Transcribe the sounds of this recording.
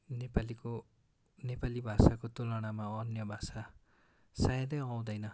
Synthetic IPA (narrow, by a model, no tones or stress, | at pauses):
nepaliko | nepalibʱasakot̪olaɽ̃amaʌnjʌbʱasa | sajʌ̃d̪ʌjʌw̃d̪ʌjnʌ